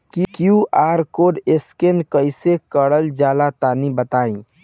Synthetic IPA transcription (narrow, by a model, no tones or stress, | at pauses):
kikjũʔaɾkoɖeskenkəjsekəɽəld͡ʒalat̪anibət̪aĩ